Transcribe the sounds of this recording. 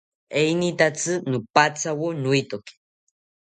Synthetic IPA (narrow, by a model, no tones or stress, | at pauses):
ejnit̪at͡sɨnupat͡sawonʊjt̪oki̥